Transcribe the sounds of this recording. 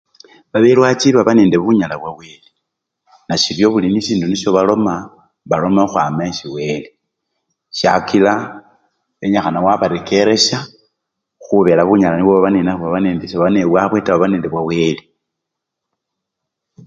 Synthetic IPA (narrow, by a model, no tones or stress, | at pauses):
βaβelwat͡ʃiβaβane̞ːnde̞βuɲalaβwawe̞ːle | naʃiɾjo̞βuliniʃiːnduniʃo̞βalo̞ma | βalo̞maxwamaʃiwe̞le | ʃa̰kila | βe̞ɲaxanawaβaɾekʰe̞ɾe̞ʃa | xuβe̞laβuːɲalaniwoβaβanenauβaβaneːndeʃoββaneβwaβwe̞taβaβane̞ːnde̞βwawe̞le